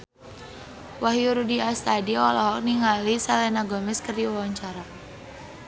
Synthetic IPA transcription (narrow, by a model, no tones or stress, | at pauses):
waɦiuɾudiast̪adiaalɔɦɔk̚niŋalisalɛnaɡɔmɛskərdiwawaɲt͡ʃaɾa